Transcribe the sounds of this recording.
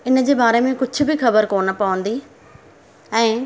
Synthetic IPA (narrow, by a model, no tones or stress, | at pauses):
ɪnə̆d͡ʑeːbaːɾemẽkʊd͡ʑʱʊ̆bʱixɐbəɾkoːnpɐːʋə̃nd̪iː | ɛ̃ː